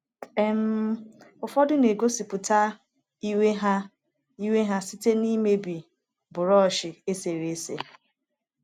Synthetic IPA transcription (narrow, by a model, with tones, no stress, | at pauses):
e˦m̩˦ʊ˨fɔ˦dʊ˦ne˨ɡo˦si˨pʊ˨ta˦ | i˦we˦ɦa˦ | i˦we˦ɦa˦si˦te˦ni˦me˦bi˨ | bʊ˨ɾɔ˦˨ʃɪ˨e˦se˨ɾe˦sḛ˨